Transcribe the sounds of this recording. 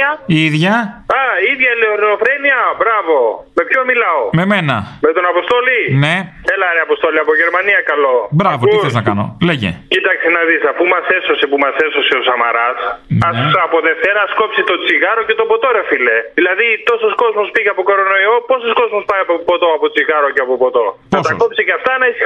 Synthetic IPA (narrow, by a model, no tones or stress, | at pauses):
ɐiðʝɐɐiðʝɐleoɾinofɾeniɐbɾɐvo̞ | me̞pçomilɐome̞me̞nɐmet̪onɐpost̪o̞line̞θelɐɾeɐpost̪o̞liɐpoʝeɾmɐniɐkɐlo̞bɾɐvot̪iθeiznɐkɐno̞̰leʝḛcit̪ɐksinɐðisɐfumɐse̞so̞sepumɐse̞so̞seosɐmɐɾɐsɐsɐpoðeft̪eɾɐsko̞psit̪o̞t͡siɣɐɾoce̞t̪o̞po̞t̪o̞ɾefile̞ðilɐðit̪o̞so̞sko̞zmospiʝɐpo̞koɾo̞no̞io̞po̞sosko̞zmospɐjɐpopot̪o̞ɐpot͡siɣɐɾoceɐpopot̪o̞p̪ɐst̪ɐkopsecɐft̪ɐnɐis